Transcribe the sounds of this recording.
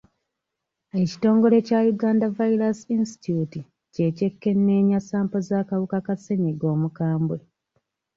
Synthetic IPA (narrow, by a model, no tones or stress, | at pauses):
e̞ci̥to̞ːŋɡo̞le̞cajuɡaːndavaiɾasinsti̥tuti | ce̞ce̞kːe̞nːe̞ːɲasaːmpo̞zaːkawukakase̞ɲeɡo̞ːmukaːmbwe